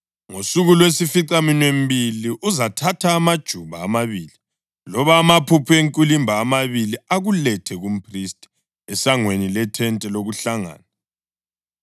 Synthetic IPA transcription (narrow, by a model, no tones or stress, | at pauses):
ŋosuɣulwesifiǀʼaminwem̩biliʔuzatʰatʰaːmad̥ʒ̥ʱuβaːmaβiːli | lɔβaːmapʰupʰueŋkʼulimbʱaːmaβiliaɣulɛtʰɛɣum̩pʰristʼi̥ | ɛsaŋwenilɛtʰɛntʼɛloɣuɬaŋa̰ːnɛ